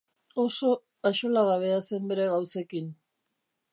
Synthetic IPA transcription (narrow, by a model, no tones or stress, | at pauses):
o̞so̞ | aʃo̞laɣaβe̞ase̞mbe̞ɾe̞ɣawse̞kin